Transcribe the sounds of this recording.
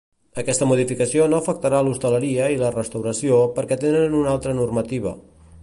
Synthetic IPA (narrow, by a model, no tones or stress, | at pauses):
əkɛst̪əmuð̞ifikəsionoəfək̚t̪əɾalust̪ələɾiəilərəst̪əwɾəsiopəɾkɛt̪enənunalˠt̪ɾənurmət̪iβ̞ə̰